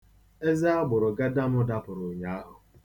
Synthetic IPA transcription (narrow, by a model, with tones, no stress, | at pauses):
e˦zɪ˦a˦ɡ͡bʊ˨ɾʊ˨ɡa˦da˦mʊ˦da˦pʊ˨ɾʊ˨ɲa˦a˦ɦʊ˨